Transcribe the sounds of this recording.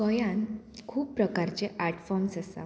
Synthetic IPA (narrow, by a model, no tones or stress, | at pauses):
kəjãnkʰuːppɾəkaɾt͡ɕeʔaɾʈfɔɾmsəsa̰